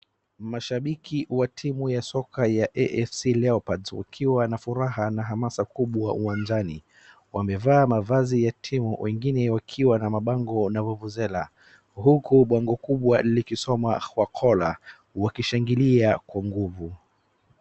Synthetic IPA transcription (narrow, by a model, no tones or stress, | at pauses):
maʃaɓikʰiwatʰimujasɔkajaʔɛʔɛfsilɛɔpadzwa̰kʰiwanafuɾaɦanaɦamasakuɓwauwand͡ʒani | wamɛvaːmavazijatʰimuwʔɛŋɡinɛwakʰiwanamaɓaŋɡɔnavuvuzɛla | ɦukuɓaŋɡɔkuɓwailikisɔmakwakʰɔla | wakiʃaŋɡiliakwaŋɡuvu